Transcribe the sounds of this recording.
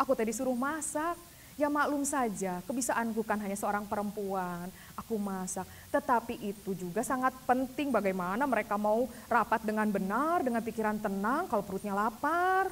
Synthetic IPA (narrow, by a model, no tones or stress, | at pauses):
ʔakut̪adisuɾʊhmasak̚ | jamalʊmsad͡ʒakəbisaʔankukanɦaɲasəoɾaŋpəɾəmpuan | akumasak̚t̪ət̪apiʔit̪ud͡ʒuɡasaŋat̪̚pənt̪ɪŋbaɡajmanaməɾekamaurapat̪̚dəŋanbənardəŋanpikiɾant̪ənaŋkalopəɾut̪̚ɲalapar